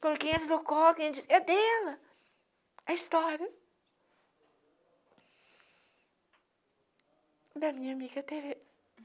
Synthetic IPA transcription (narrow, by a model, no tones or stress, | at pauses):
kõkẽj̃ɛsɐd̪okɔkẽd͡ʒisɛd̪ɛlɐ | ɐist̪ɔɾjɐ | d̪ɐmĩɲɐamiɡɐt̪eɾe